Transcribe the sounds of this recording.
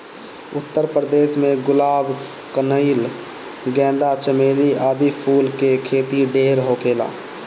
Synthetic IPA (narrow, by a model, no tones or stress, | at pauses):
ʊt̪ːəɾpɾəd̪eːsmẽɡʊlaːb | kənəil | ɡɛ̃ːnd̪at͡ʃəmeːliaːd̪ipʰuːlkekʰeːt̪iɖeːɾɦoːkeːla̰ː